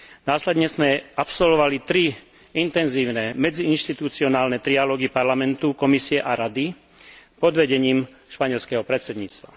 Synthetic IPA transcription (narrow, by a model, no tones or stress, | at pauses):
naːslɛd̪ɲɛzmɛapsɔlʋɔʋalit̪ɾi | int̪ɛnziːʊnɛmɛd͡ziinʃt̪it̪ut͡siɔnaːlnɛt̪ɾialɔːɡipaɾlamɛnt̪ukɔmisiɛʔaɾad̪i | pɔd̪ʋɛɟɛɲiːm | ʃpaɲɛlskɛɦɔpɾɛt̪sɛd̪ɲḭːt͡st̪ʋa̰